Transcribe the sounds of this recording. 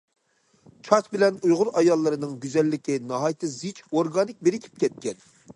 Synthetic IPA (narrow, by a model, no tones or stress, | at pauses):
t͡ʃʰɑt̪bɪlɛnujʁʊɾɑjɑlˠːɨɾɨnɨŋɡʲyzɛlːɪkʲinɨɦɑjit̪ʰɨzit͡ʃoɾɡɑnɪk̚ʲbeɾɪkʲʰi̥p̚kʲʰɛt̪̚kʲɛn